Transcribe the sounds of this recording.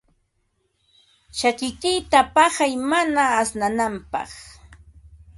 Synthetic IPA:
t͡ʃakɪk̪ɪjt̪apɑχajmanaːsnanampɑ̰χ

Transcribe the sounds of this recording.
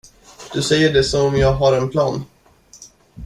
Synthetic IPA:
d̪̥ɵsɛjːəɖɛsɔmɔmjɑːɡɦaɾɛnpʰlɑːn

